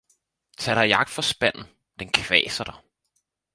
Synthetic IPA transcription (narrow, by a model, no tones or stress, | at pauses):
t͡sʰæɾ̥ɑ̈jɑ̈ɡ̥̚d̥fɒsb̥æn̰n̩ | d̥enkʰʋɛ̰ːsɐɾ̥ɑ̈